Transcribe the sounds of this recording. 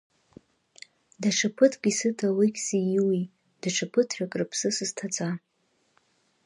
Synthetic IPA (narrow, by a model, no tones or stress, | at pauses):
daʈ͡ʂʰapʰɨtʰɡʲʼisɨtʰawikʲʰʼsijiwi | d̥aʈ͡ʂʰapʰɨtʰħakʼrɨpʰsɨsɨz̥tʰat͡sʼa